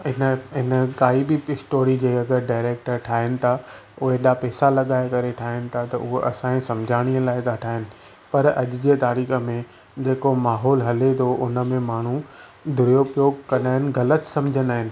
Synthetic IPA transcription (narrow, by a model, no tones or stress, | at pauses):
ɦɪnəɦɪnəkaːibiɪsʈoːɾid͡ʑeːɐɡəɾɖaːɪɾeːk̚ʈəɾʈʰaːɦɪnɪ̆t̪ʰaʊɦeɗaːpɛːsalɐɠaːekɐɾeʈʰaːɦɪnɪ̆t̪ʰat̪ɐ̰ʔʊɦoʔɐsãːĩsɐ̃md͡ʑʱaːɽ̃iːəlaːɪt̪aʈʰaːɦɪnɪ̆ | pɐɾɐ̰ʄʊd͡ʑeːt̪aːɾiːxə̆mẽ | d͡ʑeːkomaːɦɔːlɦɐlet̪ʰoʊnə̆mẽmaːɳ̤ud̪ʱʊɾjopjoːɡkɐnaːɦɪnɪ̆ɣɐlət̪sɐ̃md͡ʑʱənaːɦɪnɪ̆